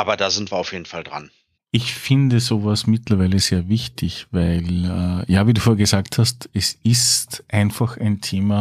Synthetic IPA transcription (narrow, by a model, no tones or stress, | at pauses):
ʔaːbɐdaːzɪntv̥iːɐaʊfjeːdn̩faldʁa̰n | ʔɪçfɪndəzoːvasmɪtlɐʋæɪləzeːɐvɪçtʰɪçvæɪlɛjaːviːduːfoːɐɡəzaːkthastɛsɪstʔaɪnfaxæɪntʰeːma